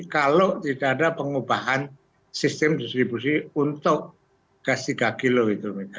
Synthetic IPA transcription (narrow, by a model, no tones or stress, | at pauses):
kaloʔt̪idaʔadapəŋubaɦan | sist̪ɛmdist̪ɾibusiunt̪ʊʔ̚ | ɡ̥asikakiloit̪umika